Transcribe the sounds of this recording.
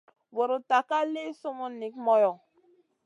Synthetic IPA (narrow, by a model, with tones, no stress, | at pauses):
wɔ˨ɾo˨ta˨ka˦le˦so˦mɔ˦ni˨kmɔ˦jɔ˨